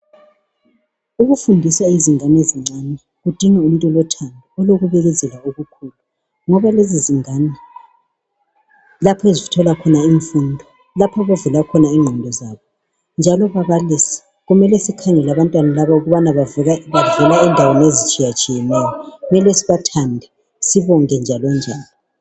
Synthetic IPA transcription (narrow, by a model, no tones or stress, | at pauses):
uɣufundʱisaiziŋaneziŋ͡ǀanɛ | ɣud̥ʱiŋɛum̩tʼɔlɔtʰandʱɔɔloɣuβɛɣɛzʱɛlaoɣukʰuːlu | ŋɔβaleziziŋanɛ | lapʰɔezitʰɔlakʰɔnaiɱfundʱɔ | lapʰɔβavɛlakʰɔnaiŋ͡ǃʱɔndʱɔzaːβɔ | nd͡ʒʱalɔβaβalisɛ̥ | ɣumɛlɛsikʰaŋɛlaβantʼwanalaβauɣuβanaβaβavɛlaɛndʱawenezit͡ʃʼijat͡ʃʼijɛnɛjɔumɛlesiβatʰandʱɛ | siβɔŋɛnd͡ʒʱalɔnd͡ʒʱaːni